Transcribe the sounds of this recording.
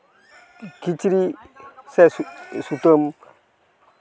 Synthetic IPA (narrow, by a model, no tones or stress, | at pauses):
kit͡ʃiɾisassutom